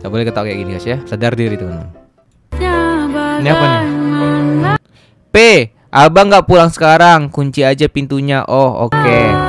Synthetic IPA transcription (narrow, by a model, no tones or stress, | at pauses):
ŋɡaʔbolɛkət̪akajaʔɡiniɡasasadardiɾit̪ukana̰ | niapan | pe | ʔabaŋɡaʔpulaŋsə̥kaɾaŋkuɲt͡ʃiad͡ʒapint̪uɲaʔɔho̰ke